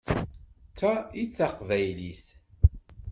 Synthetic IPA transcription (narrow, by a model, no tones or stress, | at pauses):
t͡sːæiθaqvæjliθ